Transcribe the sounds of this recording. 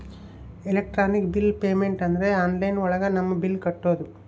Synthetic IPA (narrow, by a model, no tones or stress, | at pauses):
elek̚ʈɾaːnikbilpeːmeɳʈɐnd̪ɐɾeaːnlɐjnɔɭɐɡɐnɐmːɐbilkɐʈːoːd̪u